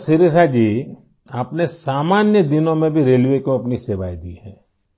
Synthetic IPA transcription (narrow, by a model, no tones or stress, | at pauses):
sɪɾɪsad͡ʒiː | aːpnesaːmaːnjəd̪ɪnõmẽbʱiɾeːlʋekoɐpniseːʋaːid̪ḭːhɛː